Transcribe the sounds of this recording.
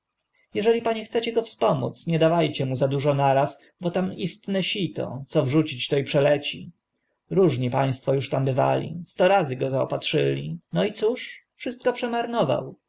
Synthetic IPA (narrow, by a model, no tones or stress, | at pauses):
jɛʐɛlʲipaɲɛxt̪sɛt͡ɕɛɡɔfspɔmṵt̪sɲɛd̪avajt͡ɕɛmuzad̪uʐɔnaɾas | bɔt̪amist̪nɛɕit̪ɔ̰t̪sɔvʐut͡ɕit͡ɕt̪ɔipʂɛlɛt͡ɕḭ | ɾuʐɲipaj̃st̪fɔjuʂt̪ambɘva̰lʲḭst̪ɔɾazɘɡɔzaɔ̰patʂɘlʲinɔit̪suʂfʂɘst̪̚kɔpʂɛmaɾnɔva̰w